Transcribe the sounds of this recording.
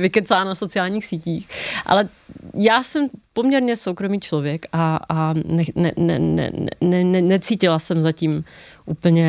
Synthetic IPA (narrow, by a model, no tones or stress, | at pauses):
vɪkɛt͡saːnaso̞t͡sɪjaːlɲiːxsiːciːxʔa̰lɛ | jaːsɛmpomɲɛɾɲɛso̞wkɾo̞miːt͡ʃlo̞vjɛkʔaanɛnɛ̰nɛ̰nɛ̰ɛnɛnɛnɛt͡siːcɪlasɛmzaciːm | ʔuːpl̩ɲɛ